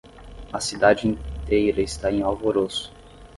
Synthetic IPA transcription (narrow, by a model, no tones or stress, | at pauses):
ɐsid̪ad͡ʒɪĩnt̪ejɾɐɪst̪aẽj̃awvoɾosʊ̥